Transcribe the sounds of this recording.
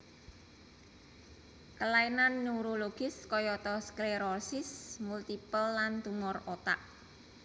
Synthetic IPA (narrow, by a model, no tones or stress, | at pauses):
kəlainanːuɾoloɡ̥ɪskɔjɔt̪ɔskleɾɔrsɪsmult̪ipəlːant̪umɔrot̪a̰ʔ